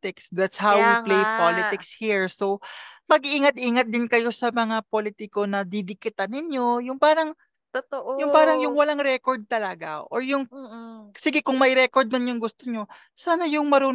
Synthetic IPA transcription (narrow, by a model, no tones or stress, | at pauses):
ɪksd̪at̪shawwiplejpalɪt̪ɪkshiɹso̞wmɐɡʔiːŋɐt̪̚ʔiːŋɐt̪̚d̪ɪnkɐjo̞sɐmɐŋapolɪt̪ɪko̞nɐd̪ɪd̪ɪkɪt̪anɪɲjo̞jʊŋpaːɾɐŋ | t̪ʔjʊŋpaːɾɐŋjʊŋwɐlaŋɾɛkoɹd̪̚t̪ɐlɐɡa̰ʔoɹjʊŋ | sɪɡɪkʊŋmɐjɾɛkoɹd̪̚mɐnjʊŋɡʊst̪oɲo̞ | saːnɐjʊŋmɐɾuː